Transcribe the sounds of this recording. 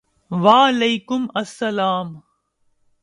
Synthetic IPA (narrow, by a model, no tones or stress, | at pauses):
ʋaːlɐjkʊmɐsːɐlaːm